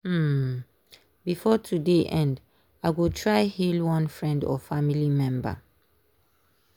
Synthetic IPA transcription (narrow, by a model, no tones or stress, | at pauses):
bifɔtʰudeʔɛ̃nd | aɪɡotʰɹaɪhilwʌ̃nfɹɛ̃ndɔ̰familimɛ̃mbə̰